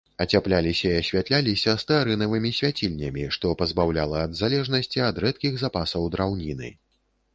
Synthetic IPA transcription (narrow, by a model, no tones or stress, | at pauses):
ɐt͡sʲaplʲalʲisʲɐiɐsʲvʲat̪lʲalʲisʲɐst̪ɐaɾɨnɐvɨmʲisʲvʲat͡sʲilʲnʲɐmʲiʂt̪ɔpɐzbawlʲalˠɐːd̪zalʲɛʐnɐsʲt͡sʲiɐd̪ɾɛt̪kʲiɣzapasɐwd̪ɾawnʲinɨ̰